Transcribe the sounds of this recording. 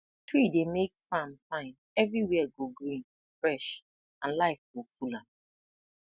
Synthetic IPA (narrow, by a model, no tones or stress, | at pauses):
tʰwidemekfãmfãɪ̃n | ɛvɹiwɛɡoɡɾĩn | fɹɛʃ | ãnlaɪfɡofulãm